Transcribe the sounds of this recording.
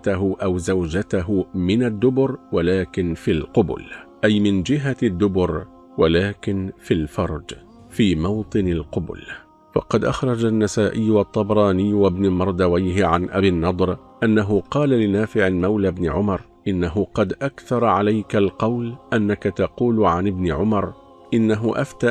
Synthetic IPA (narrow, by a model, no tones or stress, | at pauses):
t̪aɦʊʔawzawd͡ʒat̪aɦʊmɪnad̪ːʊbʊɾwalaːkɪnfilqʊbʊ̰lʔajmɪnd͡ʒɪɦad̪ːʊbʊɾ | walaːkɪnfilfɑɾˤd͡ʒ | fiːmɑwt̪ˤɨnalqʊbʊ̰l | fɑ̰qɑd̪ʔaxɾˤɑd͡ʒanːasaːʔɪjːwɑt̪ˤːɑbɾˤɑːnɪjːwabnalmɑɾˤd̪awajɦɪʕanʔabiːnːɑd̪ˤɾʔanːaɦʊqɑːlalɪnaːfɪʕɪlmawlabnɪʕʊmɑɾˤ | ʔɪnːaɦʊqɑd̪ʔakθɑɾˤɑʕalajkalqɑwlʔanːakat̪ɑquːlʕanɪbnɪʕʊmɑɾˤ | ʔɪnːaɦʊʔaft̪aː